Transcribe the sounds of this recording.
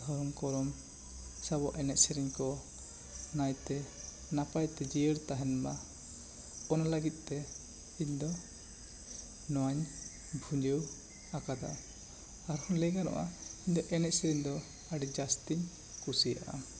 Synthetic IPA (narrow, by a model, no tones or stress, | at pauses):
ɔɾɔmkɔɾɔm | sabɔʔɛnɛʔ̪̚ˀsɛɾiɲkɔ | najt̪ɛ | napajt̪ɛd͡ʒiəɾt̪aɦɛnma | ɔnalaɡit̪̚ˀt̪ɛ | iɲd̪ɔ | nɔwaɲ | bʱuɲd͡ʒəw | akad̪a̰ | aɾhɔnlɛɡanɔ̰ʔaiɲd̪ɔʔɛnɛc̪̚sɛɾiɲd̪ɔ | aɖɛd͡ʒast̪iɲ | kusija̰ʔa̰